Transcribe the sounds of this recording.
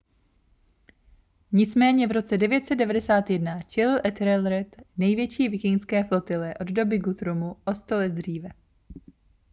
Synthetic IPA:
ɲɪt͡smɛːɲɛvɾo̞t͡sɛdɛvjɛt̪sɛdɛvadɛsaːt̪jɛdnat͡ʃɛlɪlʔɛt̪ɾɛlɾɛt̪nɛjvjɛt͡ʃiːvɪkɪŋskɛːflo̞t̪ɪlɛʔo̞ddo̞bɪɡut̪ɾumuʔo̞st̪olɛt̪̚d̪r̝iːvɛ

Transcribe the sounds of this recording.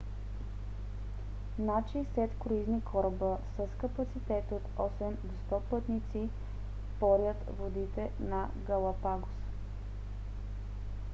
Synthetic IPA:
nat͡ʃisɛt̪koɾiznikʰɔɾbəsəskəpɐt̪sit̪ɛt̪ot̪ɔsɛmd̪ost̪ɔpɤt̪nit̪si | pɔɾjət̪vod̪it̪ɛnɐ | ɡəlˠɐpaɡʊs

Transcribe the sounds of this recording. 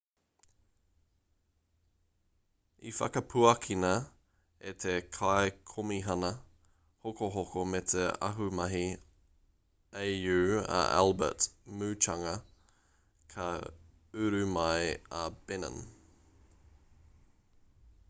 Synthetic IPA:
ifɐ̰kɐpʰuɐkʰinɐ | et̪ʰekʰaekʰomiɦɐnɐ | hokoɦokomet̪ʰeɐ̰ɦumɐɦi | ejjʉːɐ̰ʔæ̰lˠbə̰tmʉːt͡ʃɐŋɐ | kʰɐ | ʉɾʉmɐjab̥ɪnə̰n

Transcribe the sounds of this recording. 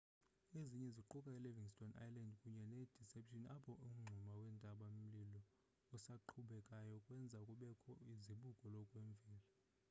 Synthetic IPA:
eziɲɛziǃukʼailɛviŋstʼɔna̰jlandkʼuɲɛned̥ʱisɛpʰʃinapʰɔʔum̩ŋ͡ǀʱumawɛndʼʱaɓamm̩lilɔ | usaǃʰuɓɛkʼajɔkʼwɛnd͡zʱaukʼuɓɛkʰɔiziɓuɡʼʱɔlɔkʼweɱb̪vʱiːla

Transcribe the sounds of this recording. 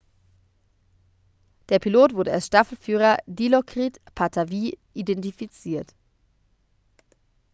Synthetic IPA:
d̥eːɐpʰiloːtv̥ʊɐdəalsʃtafl̩fyːʁ̞ɐdilokʁ̥itpʰatʰaviːʔidɛntifit͡siːɐt

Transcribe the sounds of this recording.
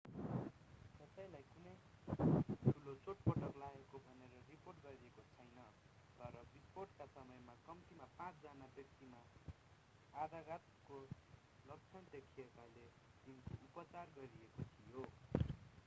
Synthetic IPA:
t̪ʌsajlajkunʌj | ʈʰulot͡soʈ̚pʌʈʌklaekobʱʌneɾʌriporʈɡʌɾiekot͡sʰʌjnʌ | t̪ʌɾʌbisporʈkasʌmʌjmakʌmtimapãt͡sd͡zanabjʌk̚t̪ima | ad̪aɡat̪ko | lʌɡ̚t͡sʰʌnd̪ekʰijekale | d̪inkiupʌt͡sarɡʌɾiekot̪ʰijo

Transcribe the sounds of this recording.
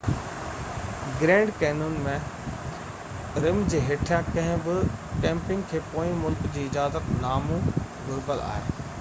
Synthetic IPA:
ɡɾẽːɳɖkɛːnuːnmẽ | ɾɪmd͡ʑeːɦeʈʰijãkɐ̃ɦɪ̃bɪkẽːmpɪ̃ŋɡkʰeːpoːĩmʊlkd͡ʑiːɪd͡ʑaːzət̪naːmũ | ɡoɾkəla̰ːɦeː

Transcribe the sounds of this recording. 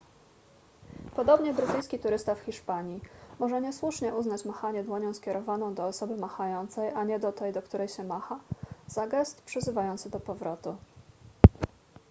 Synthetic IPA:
pɔd̪ɔbɲɛbɾɘt̪ɘjskʲit̪uɾɘst̪afxʲiʂpaɲimɔʐɛɲɛswuʂɲɛʔuznat͡ɕmaxaɲɛd̪wɔɲɔ̃w̃skʲɛɾɔvanɔ̃w̃d̪ɔːsɔbɘmaxajɔnt̪sɛjʔaɲɛd̪ɔt̪ɛjd̪ɔkt̪uɾɛjɕɛmaxazaɡɛst̪pʂɘzɘvajɔnt̪sɘd̪ɔpɔvɾɔt̪u

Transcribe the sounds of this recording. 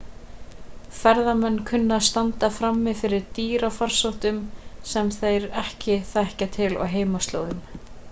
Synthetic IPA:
fɛɾðamɛnːkʰʏnːast̪ant̪afɾamːɪðfɪɾɪɾt̪iːɾafar̥sowht̪ʏmsɛmθejɾɛhcɪθɛhcat̪ʰɪlɔ̰ɦeːjmast̪lo̰wðʏm

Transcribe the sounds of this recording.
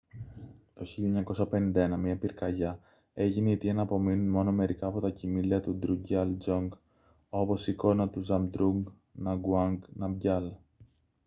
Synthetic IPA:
t̪o̞çiʎiɐɲɐko̞sɐpe̞nĩnd̪ɐenɐmiɐpiɾkɐʝɐ | e̞ʝiniːt̪iɐnɐːpo̞minunmo̞no̞me̞ɾikɐːpo̞t̪ɐcimiliɐt̪ud̪ɾuɟɐld͡ʒoŋɡ | o̞po̞siko̞nɐt̪uzɐmd̪ɾuŋɡ | nɐɡuɐŋɡnɐmɟɐl

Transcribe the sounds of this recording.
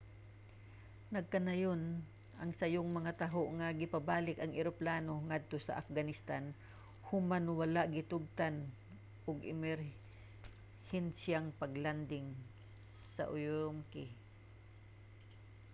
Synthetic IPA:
nɐɡ̚kɐnajon | ʔɐŋsɐjʊŋmɐŋat̪aɦoʔŋaɡɪpabaːlɪkɐŋʔɪɾoplaːnoŋad̪̚t̪osɐ̰ʔafɡanɪst̪an | hʊmanwalaʔɡɪt̪ʊɡ̚t̪an | ʔʊɡɪmɛɾ | hɛnsjaŋpɐɡland̪ɪŋ | sɐ̰ʔʊjɾʊmkɪ

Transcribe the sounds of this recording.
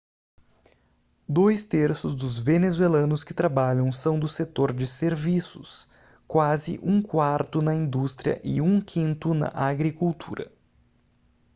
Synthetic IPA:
d̪ojst̪eɾsʊzd̪ʊzvenezuwelɐ̃nʊskɪt̪ɾabaʎɐ̃w̃sɐ̃w̃d̪ʊset̪oɾd͡ʒɪseɾvisʊs | kwazɪ̰ʔũkwaɾt̪ʊnɐĩnd̪ust̪ɾiɐ̰ʔɪũkʰĩnt̪ʊnɐ̰ʔaɡɾikuwt̪ʰuɾɐ̰

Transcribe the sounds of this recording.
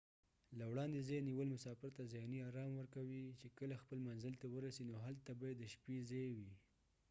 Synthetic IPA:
lawɽɑnd̪ezejniwəlmʊsɑfɪɾt̪azjɑniɑɾɑmwəɾkawit͡ʃekəlaxpəlmanzɪlt̪awəɾasinoɦalt̪abɑjad̪ːəʃpizejwi

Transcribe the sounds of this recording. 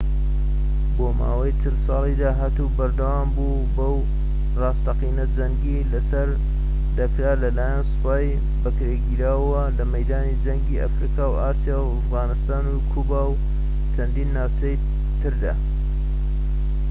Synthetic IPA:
boːma̰ːwɐjt͡ʃʰɨlsɑːlˠid̪aːɦaːt̪ubɐɾd̪ɐwaːmbuː | bɐw | rɑːst̪ɐqiːnɐd͡zɐŋɡilɐsɐɾ | d̪ɐkɾaːlɐlaːjansɨ̥paːj | bɐkɾeɡiːɾaːwɐlɐmɐjd̪aːnid͡ʒɐŋɡiːʔa̰fɾiːkawaːsijaːwɐfɣɑːnɨst̪aːnukʰubaw | t͡ʃʰɐnd̪iːnːaːwt͡ʃɐj | t̪ɨɾd̪a̰ː

